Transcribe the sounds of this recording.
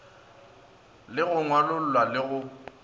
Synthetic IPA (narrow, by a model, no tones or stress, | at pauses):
lɪɣʊŋwalʊl̩ːwalɪɣʊ